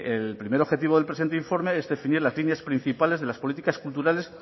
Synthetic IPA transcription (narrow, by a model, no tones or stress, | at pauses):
elpɾime̞ɾo̞xe̞t̪̬iβoðelpɾesient̪eiɱfo̞ɾme̞ezðe̞finiɾlazlinjaspɾin̟θipale̞zðe̞laspo̞lit̪ikaskult̪uɾale̞s